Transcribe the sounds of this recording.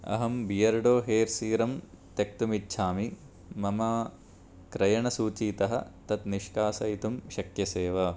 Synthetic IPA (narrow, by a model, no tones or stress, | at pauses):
ɐ̰ɦɐmbijɐɾɖoːɦeːɾsiːɾɐm | t̪jɐk̚t̪umitːʃʰaːmi | mɐmɐ | kɾɐjɐɳɐsuːt͡ʃiːt̪ɐɦɐt̪ɐt̪niʃkaːsɐit̪umʃɐkjɐseːʋɐ